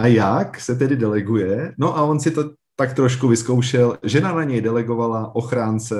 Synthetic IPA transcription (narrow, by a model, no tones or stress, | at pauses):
ʔajaksɛt̪̬ɛdɪdɛlɛɡujɛno̞ʔaonsɪt̪o | t̪akt̪ɾoʃkuvɪsko̞wʃɛlʒɛnanaɲɛjdɛlɛɡo̞valaʔo̞xɾaːnt͡sɛ